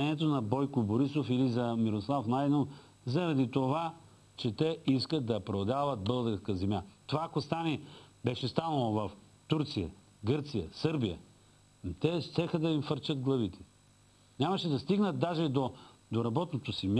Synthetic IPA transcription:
ɛniɛt̪onɐbɔjkoboɾisofilizɐmiɾoslˠafnaj̪nof | zɐɾɐd̪it̪ova | t͡ʃɛt̪ɛiskət̪̚d̪ɐpɾod̪avɐt̪̚bɤlˠd̪əskəzɛmʲjat̪ovaːkost̪anɛbɛʃɛst̪anɐlˠovɐf | t̪uɾt̪sijɐ | ɡɤɾt̪sijəsɤɾbijə̰ | t̪ɛʃt̪ɛxəd̪ɐimfəɾt͡ʃəd̪̚ɡlˠɐvit̪ɛ̥ | nʲamɐʃɛd̪ɐst̪iɡnəd̪ːaʒɛd̪od̪oɾɐbɔt̪not̪osim

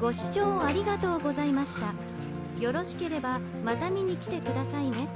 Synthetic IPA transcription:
ɡ̥o̞ɕi̥t͡ɕo̞ːaɾʲiɡat̪o̞ːɡo̞zaimaɕi̥t̪a | jo̞ɾo̞ɕi̥ke̞ɾe̞ba | mat̪amʲiɲ̟ikʲi̥t̪e̞kɯ̟d̪asaine̞

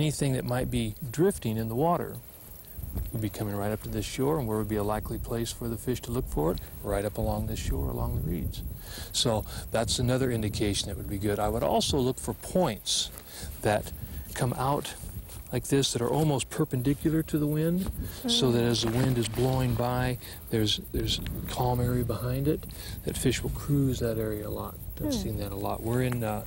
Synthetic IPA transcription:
ɛniθɪ̃ŋðɨt̚maɪt̚b̥idɹɪftɪ̃ŋɨ̃nðəwɔɾə̰˞ | wəd̚bikʰʌ̃mɪ̃ŋɹaɪɾʌp̚tʰɨðɪsʃɔɹə̃nwɪɹwɨd̚biəlaɪklipʰl̥eɪsfə˞ðɨfɪʃtʰəlʊkfə˞ɨt̚ɹaɪɾʌpəlɔ̃ŋðɪsʃɔ̰ɹə̰lɔ̰̃ŋðəɹḭdz̥soʊðætsɨnʌðə˞ɪ̃ndɨkʰeɪʃn̩ðɨʔ̚wəd̚biɡʊɾaɪwəɾɔ̰lˠsoʊlʊkfə˞pʰɔ̃ɪ̃nts | ðɨt̚kʰʌ̃mʔaʊtlaɪk̚ðɪsðɨɾə̰˞ʔɔlˠmoʊst̚pʰə˞pɨ̃ndɪkjl̩ˠə˞ɾɨðəwɪ̃nd̥soʊðɨɾɨzðəwɪ̃ndɨzbloʊɪ̃ŋbaɪ | ðə˞zðə˞z̥kʰɑmɛɹibəhãɪ̃ndɨt̪̚ | ðɨ̰tfɪʃwəl̩ˠkʰɹ̥ʉzðɨɾɛɹiɨəlɔ̰t̚sĩnðɨɾəlɔ̰t̚wɪɹɪ̃n

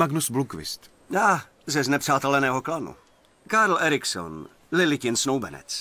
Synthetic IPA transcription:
maɡnusblukvɪ̰st̪ | aː | zɛznɛpr̥aːt̪ɛlɛnɛːɦoklanṵ | kaɾl̩ʔɛɾɪkso̰n | lɪlɪcɪnsnowbɛnɛ̰t͡s

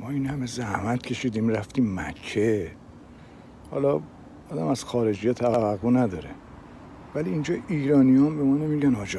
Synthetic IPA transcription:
mɒːinhæme̞zæhmæt̪cʰe̞ʃiːd̪iːmræft̪iːmːæ̰kʰːe | hɒ̰lɒ | ɒːd̪æmæz̥xɒːɾe̞d͡ʒijɒːt̪ʰævævæɣːunæd̪ɒːɾe | væliːnd͡ʒɒːiːɾɒːnijɒnbemɒːnemiɟænɒːd͡ʒɒ

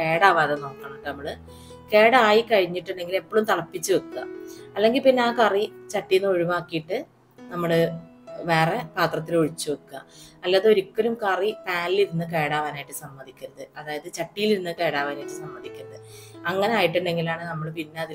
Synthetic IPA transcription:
ke̞ːɽaːʋaːðɐno̞ːkːaːɳʈːɨnɐmːɐɭ | ke̞ːɽɐaːjikɐɻiɲːiʈːɨɳɖe̞ŋɡile̞pːoɭumt̪ɐɭɐpːit͡ɕːɨʋɐkɨːɐ̰ɐlːe̞ŋɡilpinːeaːkɐrit͡ɕɐʈːijinːɨo̞ɻiʋaːkːijiʈːɨ | nɐmːɐɭɨ | ʋe̞ːrepaːt̪rɐt̪ːiloɻit͡ɕːuʋɐkːɐɐlːaːðɨo̞ɾikːɐɾumkɐripaːlliɾinːɨk̬e̞ːɽaːʋaːnaːjiʈːɨsɐmːɐðʱikʲːɐɾɐðɨɐðaːjɐðɨt͡ɕɐʈːijiliɾinːɨke̞ːɽaːʋaːnaːjiʈːɨsɐmːɐd̪ʱikʲːɐɾɐðɨɐŋːɐne̞aːjiʈːɨɳɖe̞ŋɡilaːɳɨnɐmːɐɭpinːe̞ɐðil

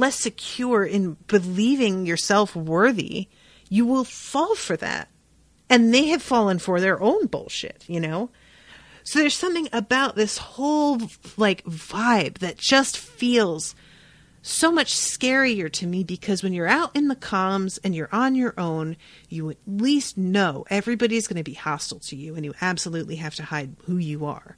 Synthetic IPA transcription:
lɛsɨkʰj̥ʊɹɪ̃nb̥ɨlivɪ̃ŋjə˞sɛlˠfwɜ˞ðḭ | jɨwɪlˠfɔlˠfə˞ðæ̰t̚ | ɨ̃nðeɪɨv̥fɔlˠə̃nfə˞ðə˞ʔõʊ̃nbo̰ʊlˠʃɪ̰t̚jɨnoʊ | soʊðə˞z̥sʌ̃mθɪ̃ŋɨbaʊt̪̚ðɪshoʊlˠlaɪkvaɪb̚ðɨt̚d̥ʒ̥ʌstfilˠz̥ | soʊmʌt͡ʃskɛɹiə˞ɾɨmibɨkʰʌzwɨ̃njə˞aʊɾʔɨ̃nðɨkʰɑlˠə̃mzɨ̃njə˞ʔə̃njə˞ʔõʊ̃n | jɨɨtˡlistnoʊʔɛvɹibɑɾiɨzɡʌnɨbihɑstˡl̩ˠtʰɨjʉɨ̃njɨʔæbsəlʉʔˡliɦæftɨhaɪd̚hujɨə̰˞

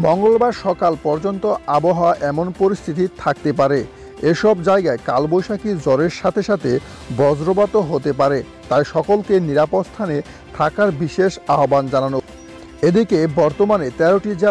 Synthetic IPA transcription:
mɔŋɡolbaɾʃɔkalpɔɾd͡ʑont̪oaboɦaaʔɛmonpoɾist̪ʰit̪it̪ʰak̚t̪epaɾe | eʃɔbd͡ʑajɡaekalbojʃakid͡ʑɔɾeɾʃat̪ʰeʃat̪ʰe | bɔd͡ʑɾobat̪oɦot̪epaɾe | t̪ajʃɔkolkeniɾapotst̪ʰane | t̪ʰakaɾbiʃeʃaɦoband͡ʑanano | ed̪ikebɔɾt̪omanet̪ɛɾoʈid͡ʑe

